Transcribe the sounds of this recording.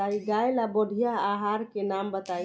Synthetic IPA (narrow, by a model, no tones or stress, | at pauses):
aiɡajlaboɽʱijaːɦaɾkenambət̪ai